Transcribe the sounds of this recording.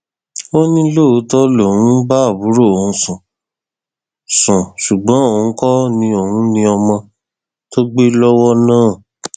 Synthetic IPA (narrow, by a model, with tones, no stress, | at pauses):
o˦nĩ˦lo˦˨˦tɔ˦lo˨wũ˨˦ba˦a˦˨bu˨˦ɾo˦˨o˨ũ˧˦sũ˨ | sũ˨ʃu˨ɡ͡bɔ̃˨˦o˦˨hũ˨˦kɔ˦nĩ˧o˨hũ˨˦nĩ˧ɔ˧mɔ̃˧ | to˦ɡ͡be˦lɔ˦wɔ˦nãː˦˨